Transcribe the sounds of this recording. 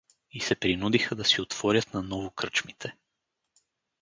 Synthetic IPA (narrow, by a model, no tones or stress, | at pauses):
isɛpɾinud̪ixəd̪ɐsiot̪v̥ɔɾʲɐt̪nanɔvokət͡ʃmit̪ʰɛ